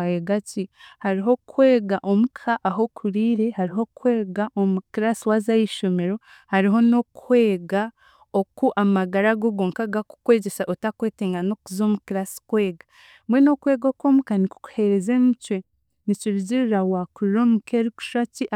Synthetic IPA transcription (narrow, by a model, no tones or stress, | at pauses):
jeɡacihaɾiɦo̞kʰweːɡaʔo̞mukʰaʔːɦo̞kʰuɾiːɾe̞haɾiɦo̞kwe̞ːɡaʔomukiɾasiwazajiʃo̞me̞ɾo̞ | haɾiɦo̞no̞kwe̞ːɡa | okuʔamaɡaɾaɡoɡoːŋkaɡaku̥kwe̞ːɟesaʔotakwe̞ːteːŋɡano̞kuzo̞ːmukiɾasi̥kwe̞ːɡa | mwe̞no̞kwe̞ːɡokwo̞ːmukaniku̥ku̥he̞ɾe̞ze̞mucwe̞ | niciɾiɟiɾiɾawakuɾiɾo̞ːmukʰeɾiku̥ʃaciʔ